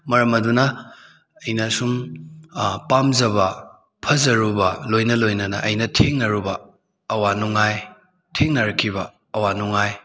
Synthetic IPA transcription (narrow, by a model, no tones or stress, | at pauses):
mɐɾɐmɐdunɐː | jnɐsum | pamzɐbɐ | pʰɐzɐɾubɐlojnɐlojnɐnɐ̰ʔɐjnɐtʰeŋnɐɾubɐː | wanuŋaj | tʰeŋnɐɾɐkʰːibɐː | wanuŋaj